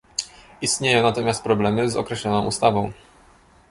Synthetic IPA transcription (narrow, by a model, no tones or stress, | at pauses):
ist̪ɲejɔ̃w̃nat̪ɔmʲjast̪pɾɔblɛmɘzɔ̰kɾɛɕlɔnɔ̃w̃ʔṵst̪avɔ̃w̃